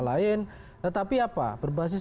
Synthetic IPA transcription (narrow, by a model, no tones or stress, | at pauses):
laɪn | t̪ət̪apiapa̰bərbaɦas̬ɪs